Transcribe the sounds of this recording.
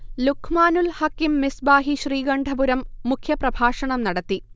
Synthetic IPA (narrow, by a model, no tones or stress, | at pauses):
lukʰmaːnulhakːimːisbaːɦiɕriːɡɐɳɖʱɐbuɾɐmːukʰjɐprɐbʱaːʂɐɳɐmnɐɽɐt̪ːi